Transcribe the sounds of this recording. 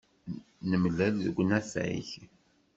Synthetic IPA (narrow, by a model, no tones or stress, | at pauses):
nəmlælðəɡʷːnæfæ̰ḭç